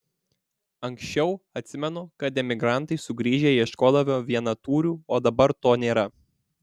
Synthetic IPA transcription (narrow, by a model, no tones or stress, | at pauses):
ɐŋksʃʲt͡ʃʲɛʊɐt̪ʲsʲɪmʲɛnʊkɐt̪ʲɛmʲɪɡɾɑˑnt̪ɐɪsʊɡɾʲiːʒʲeːiɪʃkoːd̪ɐʋʲoːʋʲiɛnɐt̪uːɾʲuːoːd̪ɐbɐɾt̪oːnʲeːɾɐ